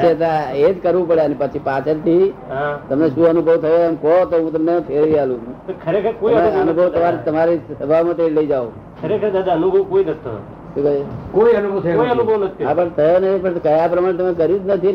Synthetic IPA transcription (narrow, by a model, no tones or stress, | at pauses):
t͡ʃʰet̪aed͡ʒkəɾʋũpəɽeənepət͡ʃʰipat͡ʃʰəɾt̪ʰiɦãt̪əmneʃũənubʱəʋt̪ʰəjoemkɔt̪oɦũt̪əmnepʰeɾʋialũt̪okʰəɾekʰəɾkoieənubʱəʋt̪əmaɾit̪əmaɾissəbʱaʋmãt̪eɾiləid͡ʒaõ | kʰəɾekʰəɾd̪ad̪aənubʱəʋkoinət̪ːo̰ | ʃũkəkoiənubʱəʋt̪ʰəjoiənubʱəʋnət̪ʰiabət̪ʰəjonət̪ʰipəɳkəjapɾəmaɽẽt̪̬əmekəɾjũd͡ʒnət̪ʰi